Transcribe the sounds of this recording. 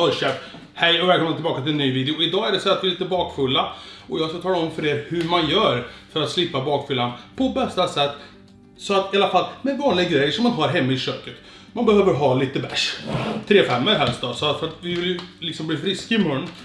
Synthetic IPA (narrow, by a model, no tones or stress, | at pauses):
hœɕɛp | hɛjɔvɛlkʰɔmnat̪ɪlbɑːkat̪ʰɪlɛnːyːviːd̪ɪʊɪd̪ɑːæɖɛsɛːat̪vɪliːt̪əbɑːkfɵlːaɔjɑːskat̪ʰɑːlaɔmfœɾeːɾhɵɾmanjœːɾfœɾat̪slɪpːabɑːkfʏlːanpʰɔbɛst̪asɛt̪ː | sɔat̪ɪalːafalːmɛvɑːnlɪɡaɡɾɛjːəʂɔmːanɦɑɾɦɛmːaɪɕøːkət̪ | manbɛɦøːvəɾɦɑːliːt̪əbæʂt̪ʰɾeːfɛmːɛɦɛlst̪̚d̪ɔsɔat̪fœɾat̪vɪvɪljɵlɪksɔmbliːfɾɪskaɪmɵnː